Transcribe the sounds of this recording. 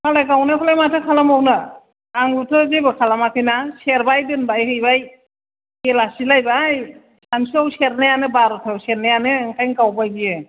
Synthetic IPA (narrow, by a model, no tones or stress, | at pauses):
malajɡawnakʰɔlajmatʰɯkʰalamawnaː | ŋutʰɯzibɯkʰalamapʰɯjnaseɾbajdɯnbajhɯjbaj | elasilajbaj | sansawseɾnajanɯbaɾɔtʰawseɾnajanɯɯŋkajŋkawbajɡije